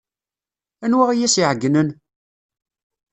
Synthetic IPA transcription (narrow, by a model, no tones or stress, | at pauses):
ænwæʁijæsiʕəɡːnən